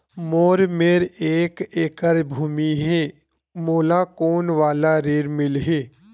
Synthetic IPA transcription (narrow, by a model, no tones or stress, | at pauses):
moːɾmeːɾeːkeːkəɾbʱuːmiɦɛː | moːlakoːnʋaːlaɾeːɾmɪlɦeː